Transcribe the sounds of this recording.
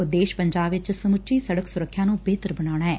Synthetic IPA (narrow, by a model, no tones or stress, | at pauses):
d̪eːʃpəɲd͡ʒaːbɪt͡ʃsəmʊt͡ʃiːsəɽəksʊɾəkʰːjãːnũːbeːt̪əɾbənaːɽ̃aːɛː